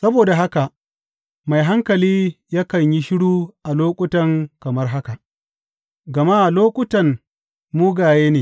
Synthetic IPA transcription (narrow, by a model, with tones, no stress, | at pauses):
sɐ˦boː˨da˨ɦa˦ka˨ | ma˨jɦa˦ŋkɐ˨liː˦ja˦kɐ˨ɲji˦ʃɪ˦ɽuː˦ʔa˨loː˦kʷʼʊ˦tɐ˨ŋkɐ˨mɐ˦rɦa˦ka˨ʔ | ɡɐ˨ma˦ʔa˨loː˦kʷʼʊ˦tɐ˨n | muː˦ɡaː˨jeː˦neː˨